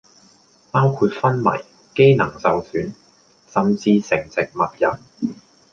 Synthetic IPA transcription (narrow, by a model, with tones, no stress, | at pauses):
paː˥wkʰuː˧t̚fɐ˥nmɐ̰˨˩j | ke˥jnɐ˨˩ŋsɐ˨wsyː˨˥n | sɐ˨mt͡siː˧sɪ˨˩ŋt͡sɪ˨k̚mɐ˨t̚jɐ̰˨˩n